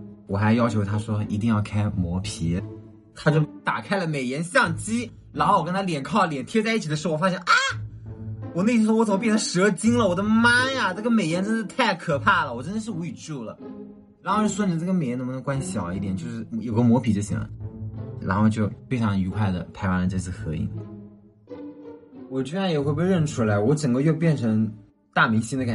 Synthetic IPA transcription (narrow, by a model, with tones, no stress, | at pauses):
wɔ˨˩xa˧˥ɪjɑ˥t͡ɕʰjo˧˥ʊt̪ʰa˥ʂwɔ˥i˧˥t̪i˧ŋjɑ˥˩ʊkʰa˥ɪmwɔ˧˥pʰi˧˥ | t̪ʰa˥t͡ɕjo˥˩ʊt̪a̰˨˩kʰa˥ɪlə˨me˨˩ɪjɛ˧˥nɕjɑ˥˩ŋt͡ɕi˥ | ɻa˧˥xo˥˧wɔ˨˩kə˥nt̪ʰa˥ljɛ˨˩nkʰɑ˥˩ʊljɛ˨˩nt̪ʰjɛ˥t͡sa˥˧i˥˩t͡ɕʰi˨d̪əʂ̩˧˥˩ɔ˨˧fa˥ɕjɛ˥˧nʔa˥˩ | wɔ˨˩ne˥˩ɪ˧˥˩wɔ˥wɔ˥ə˨˩m˧˥pjnd̪ə˧ʂɤ˧˥t͡ɕi˥ŋlə˨wɔ˨˩d̪ə˦ma˥a˨na˥˩ɡə˩me˨˩ɪjɛ˧˥nʈ͡ʂə˥nd̪ə˧t̪ʰa˥˩ɪkʰɤ˨˩pʰa˥˩lə˩wɔ˨˩ʈ͡ʂə˥nd̪ə˧˩ʂɻ̩˥˩u˧˥y˨˩ʈ͡ʂu˥˩lə̰˩ | ɻxo˥˩wɔ˥ni˨˧˥ʈ͡ʂə˥˩ɡə˩me˨˩ɪɛ˧˥n˧˥˩m˧n˧˥kwa˥nɕjɑ˨˩ʊ˦i˥t̪jɛ˨˩nt͡ɕjo˥˧ʊʂɻ̩˥˩jo˨˩ʊɡə˦mwɔ˧˥pʰi˨˩t͡ɕjo˥˩ʊɕḭ˨˩ŋlə̰˦ɻa̰˧˥nxo˥˧ʊt͡ɕjo˥˧ʊfe˥ɪʈ͡ʂʰɑ˧˥ŋy˧˥kʰwa˥˩ɪd̪ə̰˩t̪ʰa˧˥ɪwa˥nldə˧ʈ͡ʂɤ˥˧t͡sʰɹ̩˥˩xɤ˧˥ḭ˧˥˩ŋ | wɔ˨˩ʈ͡ʂ̩̪˥˧a˥˩ɪjɛ˨˩xwpɻə˥˩nʈ͡ʂʰu˥la˧˥ɪwɔ˧˥ʈ͡ʂə˨˩ŋɡə˦˥jo˥˧ʊp̬jɛ˥˩nʈ͡ʂʰɤ˧˥ŋ | t̪a˥˩mi˧˥ŋɕi˥nd̪ə˨ka˨˩